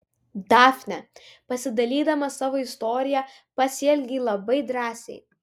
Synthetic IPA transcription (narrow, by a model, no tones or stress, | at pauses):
d̪ɑːfʲnʲɛ | pɐsʲɪd̪ɐlʲiːd̪ɐmɐsɑːʋoːɪst̪ɔːɾʲɪjɛ | pɐsʲɛːlʲɡʲilˠɐbɐɪd̪ɾɑːsʲɛ̰ɪ